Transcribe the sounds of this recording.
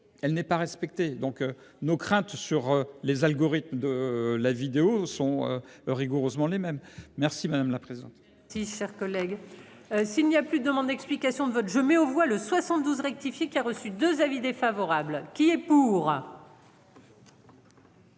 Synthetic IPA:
ɛlnɛpaʁɛspɛk̚t̪ed̪ɔ̃k | nokχɛ̃t̪syʁlezalɡɔʁit̪məd̪əlavid̪eosɔ̃ø̰ʁiɡuʁøzmɑ̃lemɛmːɛʁsimad̪amlapχezid̪ɑ̃t̪ | siʃɛʁkɔlɛɡ | silniaplyd̪əd̪əmɑ̃d̪d̪ɛksplikasjɔ̃d̪əvɔt̪ʒəmɛovwaləswasɑ̃t̪d̪uzʁɛk̚t̪ifjekʲiaʁəsyd̪øzavid̪efavɔʁablkʲiɛpuʁ

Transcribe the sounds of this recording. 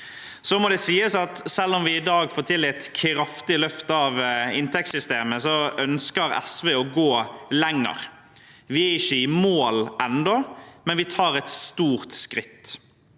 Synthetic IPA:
sɔmɔd̪ɛsiːəsɑt̪sɛlːɔmʋɪɪd̪ɑːɡfoːt̪ʰɪlɪt̪kʰɾɑft̪ɪlœft̪ɑʋɪnt̪ʰɛksʏst̪eːməsɔœnskəɾɛ̰sʋeːɔɡoːlɛŋːə̰ɾ | ʋɪæɪçːəɪmoːlʔɛnd̪ɔmɛnʋɪt̪ʰɑːɾɛt̪st̪uːɾt̪skɾɪt̪ː

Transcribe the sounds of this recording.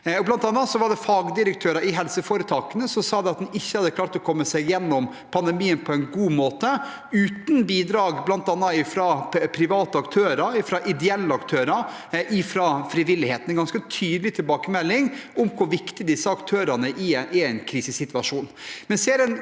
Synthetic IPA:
ɔblɑnt̪ɑnːɑt̪sɔʋɑɖɛfɑːɡd̪ɪɾəkt̪ʰøːɾɑɪɦɛlsəfoːɾət̪ʰɑːkənəsɔmsɑːd̪ɛɑt̪̚d̪nɪçːəhɑd̪ːəkʰlɑːɾt̪ɔkʰɔmːəsɛɪɡjɛnːɔm | pʰɑnd̪ɛmiːənpʰɔɛnɡuːmoːt̪ə | ʉːt̪nbiːd̪ɾɑːɡblɑnt̪ɑnːɑɪfɾɑpʰɾɪʋɑːt̪əɑkt̪ʰøːɾɑɾɪfɾɑʔɪd̪ɛɛlːəɑkt̪ʰøːɾɑɾ | ʔɪfɾɑfɾɪʋɪlːɪheːt̪n̩ɛnɡɑnskət̪ʰyːd̪əlɪt̪ʰɪlbɑːkəmɛlːɪŋɔmkʰʊɾʋɪkt̪ɪd̪ɪsːəɑkt̪ʰøːɾɑnəʔɪʔɪɛɪnkʰɾiːsəsɪt̪ʉɑʂuːnmɛnseːɾɛn

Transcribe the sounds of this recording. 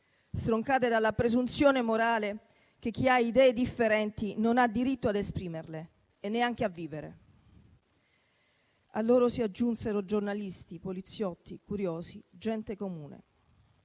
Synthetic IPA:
st̪ɾoŋkaːt̪ed̪alːapɾezunt̪sjoːnemoɾaːle | k̟ek̟ʰːiaid̪ɛːed̪ifːeɾɛnt̪inonad̪ːiɾit̪ːoad̪espɾiːmerleː | nːeaŋk̟eavːiːveɾḛ | a̰lːoːɾosiad͡ʒːunseɾod͡ʒornalist̪ipolit̪sːjɔt̪ːikuɾjoːzid͡ʒɛnt̪ekomuːnḛ

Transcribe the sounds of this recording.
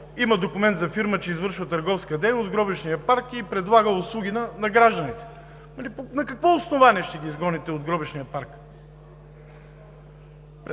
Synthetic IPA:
iməd̪okʊmɛnt̪zɐfiɾmət͡ʃɛizvɤɾʃvət̪ɐɾɡɔfskəd̪ɛjnosɡɾɔbiʃnijəpaɾkipɾɛd̪lˠaɡəʊslˠuɡʲinɐnɐɡɾaʒd̪ənit̪ɛ̥ | mɐliponɐkɐkvɔʊsnovaniɛʃt̪ɛɡʲiːzɡɔnit̪ɛod̪ɡɾɔbiʃnijəpaɾk | p

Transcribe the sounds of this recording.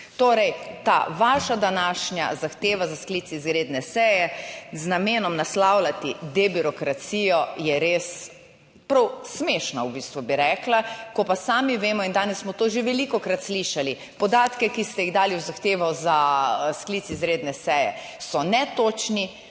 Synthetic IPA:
t̪oːɾɛjt̪a̰ʋaːʃad̪anaːʃnja̰zaxt̪eːʋazaskliːt̪iizɾeːd̪nɛsɛːjɛznameːnɔmnaslawlat̪id̪ebiɾɔkɾat̪sijɔjɛɾeːs | pɾɐwsmeːʃnawbiːst̪ʋubiɾɛːklakɔpasaːmiʋeːmɔind̪aːnɛsːmɔt̪oːʒeʋɛlikɔkɾat̪sliʃali | pɔd̪aːt̪kɛkist̪ɛjiɣd̪aːliuwzaxt̪eːʋɔzaskliːt̪sizɾeːd̪nɛsɛːjɛ̰ | sɔnɛt̪oːt͡ʃni

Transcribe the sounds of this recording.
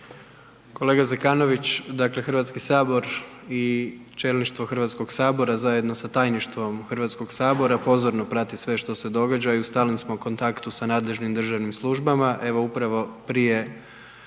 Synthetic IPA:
ko̞le̞ːɡazekaːno̞ʋit͡ɕd̪akle̞xr̩ɾʋat̪skisaːbo̞ɾit͡ʃe̞lniʃt̪ʋo̞xr̩ʋat̪sko̞ɡsaːbo̞ɾazaje̞d̪no̞sat̪aːjniʃt̪ʋo̞mxr̩ʋat̪sko̞ɡsaːbo̞ɾapo̞zo̞ɾno̞pɾat̪isʋe̞ʃt̪o̞se̞d̪o̞ɡad͡ʒaiust̪aːlnismoko̞nt̪akt̪usanaːd̪le̞ʒnimd̪rʒaʋnimslˠuʒbamaʔe̞ʋo̞upɾaʋo̞pɾije̞

